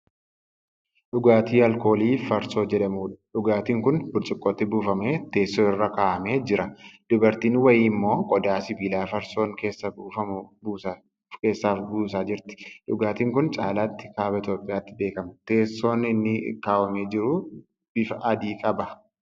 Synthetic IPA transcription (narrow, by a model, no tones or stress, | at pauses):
ɗʊɡaːt̪iːɐlko̞ːliːfɐɾso̞ːd͡ʒɛᶑɐmuːᶑɐᶑʊɡaːt̪iːŋkʊnbʊɾt͡ʃʼɪkʼːoːt̪ːɪbuːfɐmeːt̪e̞ːsːoːɪrːɐkaːʔɐme̞ːd͡ʒɪɾɐd̪̥ʊbɐɾt̪iːnwɐjiːmːo̞ːkʼɔd̪aːsɪbiːlaːfɐɾso̞ːŋkeːsːɐuːfɐ | ke̞ːsːaːfbuːsaːd͡ʒɪɾt̪ɪ̥ᶑʊɡaːt̪iːŋkʊnt͡ʃʼaːlaːt̪ːɪ̥kaːbɐɪt̪joːpʼɪjaːt̪ːɪbe̞ːkɐmɐt̪e̞ːsːo̞ːnɪnːɪkaːwɐmeːd͡ʒɪɾʊ | bɪfɐʔɐd̪iːkʼɐbɐ